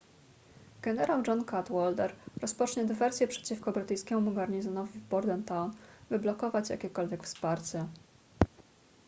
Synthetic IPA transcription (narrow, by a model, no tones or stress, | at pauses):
ɡ̥ɛnɛɾawd͡ʐɔnkat̪wɔld̪ɛɾɾɔspɔt͡ʂɲɛd̪ɘvɛɾsʲjɛpʂɛ̥t͡ɕifkɔbɾɘt̪ɘjskʲɛmumuɡaɾɲizɔnɔvʲivbɔɾd̪ɛnt̪awnbɘblɔkɔvat͡ɕja̰kʲɛkɔlvʲjɛkfspaɾt͡ɕɛ